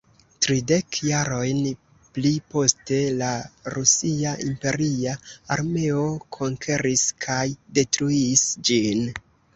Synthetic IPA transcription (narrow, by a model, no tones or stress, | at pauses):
tɾide̞kʰjaɾo̞jn | plipo̞ste̞laɾusiaʔimpe̞ɾiaa̰ɾme̞o̞kʰo̞ŋkʰe̞ɾiskʰajde̞tɾuiːsd͡ʒin